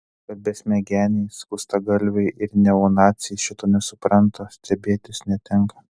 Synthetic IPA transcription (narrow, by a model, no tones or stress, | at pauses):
kɐt̪̚bʲɛsʲmʲɛɡʲæːnʲɛɪskʊst̪ɐɡɐlʲʋʲɛɪʔɪɾnʲɛoːnɑːt̪sʲɪjɛʃʲɪt̪oːnʲɛsʊpɾɐnt̪osʲt̪ʲɛbʲeːt̪ʲɪsnʲɛt̪ʲɛŋkɐ